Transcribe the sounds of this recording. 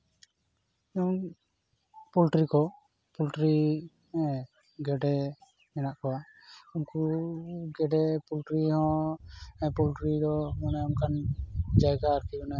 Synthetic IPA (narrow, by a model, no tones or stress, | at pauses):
ɛɔ | pɔlʈɾikɔ | pulʈɾi | ɡɛɖɛ | mɛnaʔkɔwa | ɔmku | ɡɛɖɛpulʈɾihɔ̃ | ɛpɔlʈɾidɔɔnɛɔmkand͡ʒajɡaɾk̪iɔna